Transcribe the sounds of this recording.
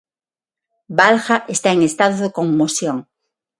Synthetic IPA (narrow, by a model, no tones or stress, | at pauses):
balxaʔest̪aeŋest̪aðoðekoŋmosjoŋ